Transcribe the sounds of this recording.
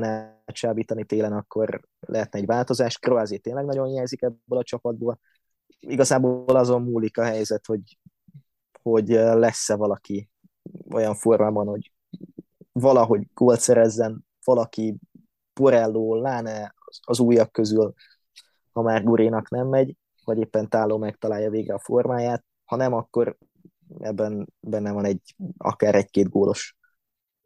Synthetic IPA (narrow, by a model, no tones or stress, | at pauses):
nɛt͡ʃaːbiːt̪ɒnit̪eːlɛnɒkːo̞r | lɛ̰ɦɛt̪̚nɛɟvaːlt̪o̞zaːʃkroaːzeːt̪eːnlɛɡnɒɟo̞njɛjzikɛbːølɒt͡ʃɒpɒd̪̚boːl | iɡɒzaːbolɒzo̞mmuːlikɒɦɛjzɛt̪ho̞ɟ | ho̞ɟølɛsːɛvɒlɒki | o̞̰jɒɱformaːbɒnho̞ɟ | vɒlɒɦo̞ɟɡ̥oːlt̪sɛɾɛzːɛn | v̥ɒlɒki | poɾɛlːoːlaːnɛɒɒzuːjɒkːøzyl | ɒmaːrɡuɾʔeːnɒknɛmːɛɟ | vɒɟeːpːɛnt̪aːlːoːmɛk̚t̪ɒlaːjɒveːɡrɛɒfo̞rmaːjaːt̪̚ | hɒnɛmɒkːo̞ɾ | ɛ̰bːɛnbɛnːɛvɒnɛɟɒ̰kaːɾɛɟkeːd̪ɡoːlʔo̞ʃ